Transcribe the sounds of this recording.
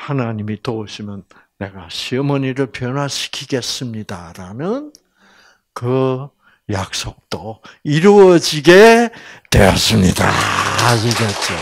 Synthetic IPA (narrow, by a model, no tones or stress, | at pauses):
hanaɲimitouɕʰimjʌnː | e̞ɡaɕʰimʌɲiɾɯɭpjʌnwaɕʰi̥kʰiɡe̞s͈ɯmɲidaɾanɯn | kɯ | jak̚s͈ok̚t͈oiɾuʌd͡ʑiɡe̞twe̞̰jʌ̰s͈ɯmɲida̰ad͡ʑiɡet̚t͡ɕ͈o